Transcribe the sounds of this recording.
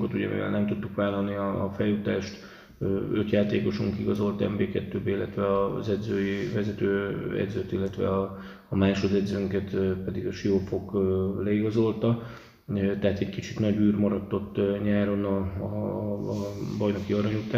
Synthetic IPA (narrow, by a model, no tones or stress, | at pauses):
kot̪uɟɛ̰mḭvɛ̰lnɛmt̪ut̪ːukʋaːlːɒlniɒ̰fɛjːut̪aːʃt̪ː | øt̪jaːt̪eːko̞ʃuŋkiɡɒzo̞lt̪ɛ̰mbeːkɛt̪ːøːbilːɛt̪ʋɛɒzɛd̪zøːjivɛzɛt̪øːɛ̰d̪zøt̪ilːɛt̪ʋɛ̰ɒ | ɒmaːʃod̪ɛd̪zøŋkɛt̪pɛd̪iɡɒʃiofo̞kːlɛiɡɒzo̞lt̪ɒ | t̪ɛɦat̪ɛckit͡ʃit̪nɒɟyːrmɒɾɒt̪ːo̞t̪ːɲaːɾo̞nɒ | bɒjno̞kiɒɾɒɲut̪aː